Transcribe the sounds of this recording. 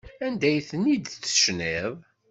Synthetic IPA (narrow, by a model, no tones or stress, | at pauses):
ænd̪æjθənid̪θə̥ʃnɪðˤ